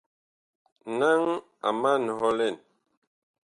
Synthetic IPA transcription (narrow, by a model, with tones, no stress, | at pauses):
na˦ŋ | a̰˨ma˦nɔ˨hɔ˦lɛ˦˨n